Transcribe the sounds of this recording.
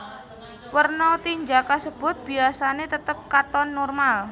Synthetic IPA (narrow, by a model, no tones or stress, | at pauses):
wərnɔt̪iɲd͡ʒakasəb̥ʊ̤t̪̚b̥iasanet̪ət̪əp̚kat̪ɔnːɔrmal